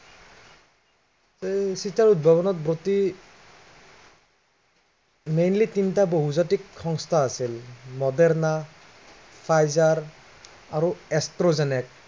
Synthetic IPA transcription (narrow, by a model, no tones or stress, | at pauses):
sitaɹut̚bʱaβɔnɔt̚bɹoti | mejnlitintaboɦuzatikxɔŋstʰaːsilmɔdɛɹna | pʰajzaɹː | ɹuɛstɹɔzɛnɛk̚